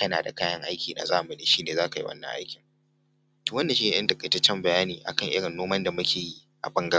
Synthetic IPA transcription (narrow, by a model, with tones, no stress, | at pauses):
ɐ˦naː˨da̰˨kaː˦jɐ˦ŋʔa˦jkʲiː˨na̰ː˨zaː˦ʔmɐ˨ne˨ʃiː˦neː˨zaː˦ka˨ji˦wʔɐ̰˦nːɐ̰˦ŋʔa̰˦jkʲɪ˨ŋ | toː˨wɐ˦nːdɐ˨ʃiː˦ne˨ʔɐ˦ntɐ˨kʼɐ˨tɐ˦t͡ʃːɛ˦mbɐ˨jaː˦niː˨ʔa̰˨kɐ˦˨ŋʔɪ̰˦ɽɪ˨nːoː˦mɐ˦nda˨mʊ˦kʲeː˨ji˦ | ʔa̰˨bɐ˦ŋɡɐ˦